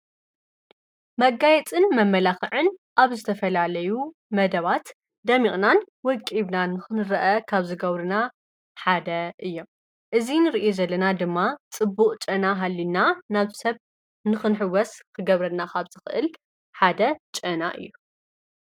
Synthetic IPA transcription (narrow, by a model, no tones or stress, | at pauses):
mɐɡajɛt͡sʼɨnmɐmːɐlaxɨʕɨnʔaβzɨt̪ʰɐfɐlalɐju | mɐd̪ɐβat̪ | d̪ɐmikʼnan | wɔkʼiβnanɨxɨnɨɾɐʔɐkʰaβzɨɡɐβɾɨna | ħad̪ɐʔɨjːo̞m | ʔɨzinɨɾiʔezɐlːɐnad̪ɨmːat͡sʼɨbuqʼt͡ʃʼɐnaɦalːinanaβsɐβ | nɨxɨnħɨwɐskʰɨɡɐβɾɐnakʰaβz̥ɨxɨʔɨl | ħad̪ɐt͡ʃʼɐnaʔɨ̰jːu